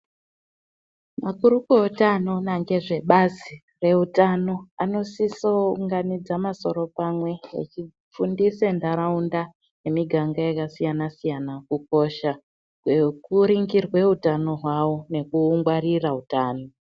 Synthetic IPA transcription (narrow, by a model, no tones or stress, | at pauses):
makuɾukeotano̞naŋɡe̞ʐe̞ɓazi | re̞utano̞ano̞sisouŋɡanid͡zamaso̞ɾo̞pamwe̞ḛt͡ʃi | p͡fundisendaɾaunda | ne̞miɡʱaŋɡajakasijanasijanakuko̞ʃa | kwekuɾiŋɡirwe̞utano̞ɦwawo̞ne̞kuːŋɡwariraɦutaːno̞